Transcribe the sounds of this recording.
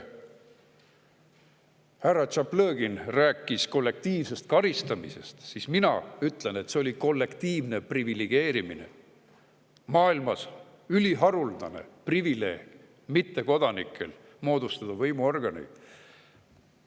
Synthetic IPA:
hærːɑt͡ʃɑplɤːɡinræːkːˑisko̞lːe̞k̚t̪iːvse̞st̪̚kɑɾist̪ɑmise̞̰st̪sisminɑ̰yt̪ːˑle̞ne̞t̪ːseo̞lʲiko̞lːe̞kt̪iːvne̞privileɡ̥e̞ːɾimine̞̰ | mɑːilmɑs | ylʲiɦɑɾuld̪ɑne̞̰privile̞̰ːɡ̥ | mit̪ːe̞ko̞d̪̥ɑnikʰːˑe̞̰l | mo̞ːd̪̥ust̪ɑd̪̥ɑvɤjmuo̞rɡ̥ɑnḭ

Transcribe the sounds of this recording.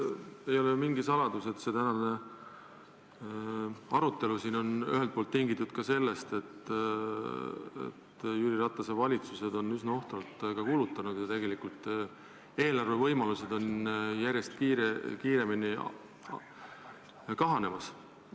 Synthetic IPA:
e̞jo̞lejumiŋɡisɑlɑd̪use̞t̪se̞t̪ænɑne̞ | ɑɾut̪ːˑe̞lusiːno̞ny̰ɦelt̪̚polt̪ːiŋɡit̪ːˑud̪̥kɑse̞lːe̞st̪e̞t̪ː | ḛt̪jyɾiɾɑt̪ːˑɑsevɑlʲit̪suse̞d̪o̞nysnɑo̞ht̪ɑlt̪kɑkuːlut̪ːˑɑnud̪̥jɑt̪e̞ɡe̞likult̪ːˑ | e̞ːlɑrve̞vɤ̞jmɑluse̞d̪o̞njæɾʲje̞st̪̚kiːɾekiːɾe̞mini | kɑɦɑne̞mɑs

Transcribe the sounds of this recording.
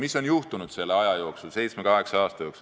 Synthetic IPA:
miso̞njuht̪unud̪̥se̞lːeɑjɑjo̞ːksulse̞jt̪smekɑɦe̞ksɑɑːst̪ɑjo̞ks

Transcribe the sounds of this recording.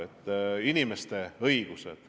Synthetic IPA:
et̪ːˑinimest̪e̞ɤijɡ̥usḛd̪̥

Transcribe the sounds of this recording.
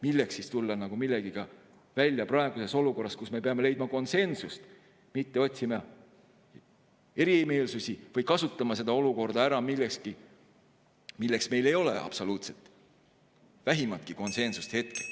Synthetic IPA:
milːeksist̪ulːɑnɑɡ̥umilːeɡ̥iɡ̥ɑ | vælʲjɑprɑe̞ɡ̥use̞so̞luko̞rːɑskusme̞pe̞ɑme̞le̞jd̪̚mɑko̞nse̞nsust̪ | mit̪ːe̞o̞t̪ʲsimɑ | e̞ɾime̞ːlsusivɤjkɑsut̪ːˑɑmɑse̞d̪̥ɑo̞luko̞rd̪ɑæɾɑmilːekski | milːeksme̞jle̞jo̞lḛʔɑ̰b̥so̞luːt̪set̪ːˑ | væɦimɑlt̪̚kiko̞nse̞nsust̪he̞t̪ke

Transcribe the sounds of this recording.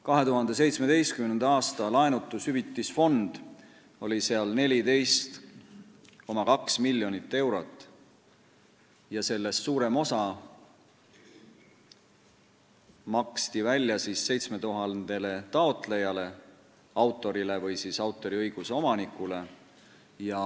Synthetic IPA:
kɑɦe̞t̪uɦɑnd̪̥e̞s̬e̞jt̪sme̞d̪̥e̞jst̪̚kymnend̪ɑɑːst̪ɑlɑenut̪ːˑushyvit̪ˑːisfo̞nd̪̥ | o̞lʲise̞ɑlne̞lʲid̪e̞jst̪ | ko̞mɑkɑksmilʲːjo̞nit̪ːe̞wɾo̞t̪ːˑ | jɑse̞lːe̞sːuːɾe̞mo̞sɑ | mɑkst̪ivælʲːjɑsisːe̞jt̪sme̞t̪uɦɑd̪̥e̞le̞t̪ɑo̞t̪ˑle̞jɑle̞ | ɑwt̪ːˑo̞ɾile̞vɯjsiːsɑwt̪ːˑo̞ɾiɤjɡ̥useo̞mɑnikˑule̞ | jɑ

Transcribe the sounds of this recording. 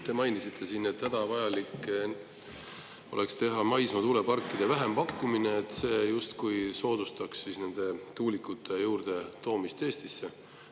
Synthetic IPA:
t̪e̞mɑjnisit̪ʰːˑe̞sinːet̪hæd̪̥ɑvɑjɑlikː | o̞̰ʔe̞kst̪e̞ɦɑmɑjsmɑt̪uːle̞pɑrkːˑid̪̥e̞væɦe̞mpɑkːumineːt̪ːˑse̞ːjust̪kujso̞ːd̪̥ust̪ɑksːisne̞nd̪̥e̞t̪uːlikːˑut̪ʰːˑe̞juːrd̪̥e̞t̪o̞ːmist̪e̞ːst̪isːe

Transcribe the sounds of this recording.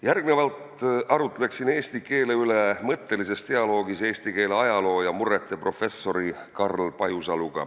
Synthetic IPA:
jærɡne̞vɑlt̪ɑɾut̪ːˑele̞ksine̞ːst̪ike̞ːle̞yle̞mɤt̪ːe̞lise̞st̪e̞ɑlo̞ːɡise̞ːst̪ike̞ːleɑjɑlo̞ːjɑmure̞t̪ˑːe̞pro̞fe̞sːo̞ɾikɑrlpɑjusɑluɡ̥ɑ̰

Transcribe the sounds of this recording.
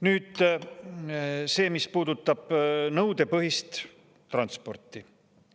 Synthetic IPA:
nyːd̪̥ | se̞ːmispuːd̪ut̪ːˑɑb̥nɤwd̪e̞pɤɦist̪ | t̪rɑnt̪spo̞rt̪ːˑi

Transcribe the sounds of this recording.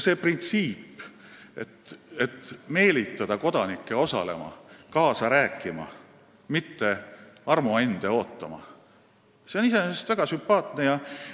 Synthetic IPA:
se̞ːprint̪siːpː | et̪et̪ːme̞ːlit̪ːˑɑd̪̥ɑko̞d̪ɑnikːˑe̞o̞sɑ̰le̞̰mɑ̰kɑːsɑɾæːkːˑimɑ̰ | mit̪ːe̞ɑrmuend̪̥e̞o̞ːt̪ːˑɑmɑ̰ | se̞o̞nise̞neest̪væɡ̥ɑsympɑːt̪ˑne̞jɑ

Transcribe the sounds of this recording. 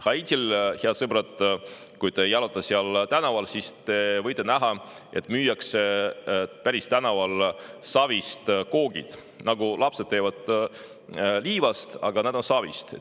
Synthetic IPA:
hɑit̪silheɑd̪sɤbɾɑt̪ˑ | kujt̪eejɑlot̪ːˑɑseɑlt̪ænɑvɑlsist̪e̞vɤjt̪ːˑenæɦɑe̞t̪ːˑmyːjɑkse | pæɾist̪ænɑvɑlsɑvist̪ko̞ːɡ̥ḭd̪̥ | nɑɡulʔɑpse̞d̪̥̚t̪ːe̞ːvɑd̪̥ | liːvɑst̪ɑɡ̥ɑneːd̪onsɑvḭst̪e

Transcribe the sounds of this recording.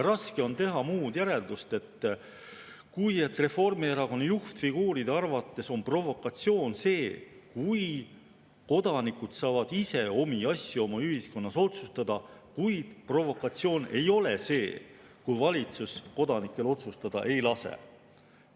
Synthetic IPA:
jɑɾɑske̞o̞nt̪e̞ɦɑmuːd̪̥jæɾe̞ld̪ust̪e̞t̪ː | kuje̞t̪ːˑre̞fo̞rmieɾɑko̞nːɑjuht̪fiɡ̥uːɾid̪eɑrvɑt̪ːˑe̞so̞npro̞vo̞kːˑɑt̪sio̞ːnse̞ːkuj | ko̞d̪̥ɑnikːud̪̥sɑːvɑd̪̥ise̞o̞miɑsʲjuo̞mɑyɦisko̞nːɑso̞t̪sust̪ɑd̪̥ɑkujd̪̥pro̞vo̞kːɑt̪sio̞ːne̞jo̞lese̞ː | kujvɑlʲit̪susko̞d̪ɑnikːˑe̞lo̞t̪sust̪ɑd̪̥ɑ̰ʔe̞jlɑsḛ

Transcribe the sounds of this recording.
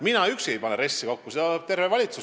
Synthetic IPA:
minɑyksejpɑneɾe̞sːikokːused̪ɑ̥t̪e̞rvevɑlʲit̪su

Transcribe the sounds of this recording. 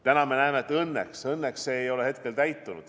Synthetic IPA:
t̪ænɑme̞næemeet̪ːɤnːeksɤnːeksːeːjo̞le̞he̞t̪ke̞lt̪æjt̪ːˑunud̪̥

